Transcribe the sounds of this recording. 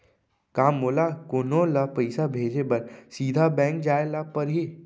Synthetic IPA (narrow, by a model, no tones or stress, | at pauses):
kaːmːoːlakonõlapɐɪsabʱeːd͡ʒebɐɾsiːd̪ʱabɛ̃ːŋk̚d͡ʒaːelapɐɾɦi